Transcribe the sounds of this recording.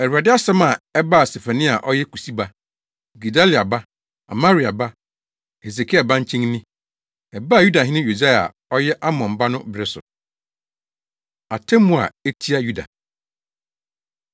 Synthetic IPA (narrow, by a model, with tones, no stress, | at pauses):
ɛ˨u˨a˨dɪ˦a˦sɛ˦mã˨ɛ˦ba˦a˨se˨fa˨nĩ˦a˨ʔɔ˦jɛ˦ku˨si˦ba˦ | ɡi˨da˦li˨a˨ba˦ | a̰˨mã˦ɾi˨a˨ba˦ | he˨s̬e˨kʰi˦a˨bã˦ɲ̩˦t͡ɕʰĩ˦ŋ˦nĩ˦ | ɛ˨ba˦˨ju˦da˨ɦɪ̃˦nɪ̃˦jo˨d͡za˦a̰˨ | ɔ˦jɛ˦ʔa˦mɔ̃˨m˨ba˦nʊ̃˦bɪ˦ɾɪ˦sʊ̰˨ | a˨tʰɛ̃˦mũ˨a̰˨e˦tʰi˦a˦ju˦da̰˨